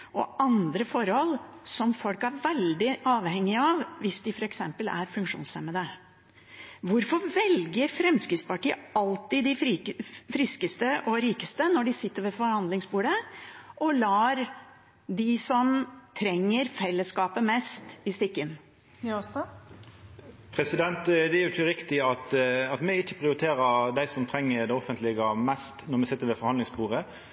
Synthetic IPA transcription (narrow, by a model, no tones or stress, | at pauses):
ʔɔ̰ʔɑnd̪ɾəfɔɾhɔlsɔmfɔlkæɾʋɛld̪ɪʔɑːʋhɛŋːɪɑʋʋɪsd̪ɪfɔɾɛksɛmpəlæ̰ɾfʉŋkʂṵːnsɛməd̪ə | ʋʊɾfɔɾʋɛlɡəɾfɾɛmskɾɪt̪spɑʈiːəɑlt̪ɪd̪ɪ | fɾɪskəst̪əʔɔɾiːkəst̪ənɔɖɪsɪt̪ːəɾʋɛfɔɾhɑnd̪lɪŋsbuːɖəʔɔlɑːɾ | d̪ɪsɔmt̪ʰɾɛŋːəɾfɛlːəskɑːpəmɛst̪ɪst̪ɪkːən | pʰɾɛsɪd̪ɛnt̪d̪ɛæɾjʊçəɾɪkt̪ɪɑt̪ɑt̪mɛɪçːəpʰɾɪʊɾɪt̪ʰeːɾəɾd̪æɪsɔmt̪ʰɾɛŋːəɾd̪ɛɔfənt̪lɪɡəmɛst̪nɔɾmɛsɪt̪ːəɾʋɛfɔɾhɑnd̪lɪŋsbuːɾə